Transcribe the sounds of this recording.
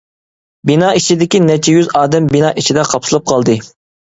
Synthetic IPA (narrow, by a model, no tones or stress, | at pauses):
binɑːit͡ʃʰid̪ɪkʲinɛt͡ʃʰɛjyzɑːd̪ɛmbinɑːʔit͡ʃʰid̪ɛqʰɑpsɨlˠɨp̚qʰɑlˠd̪ɨ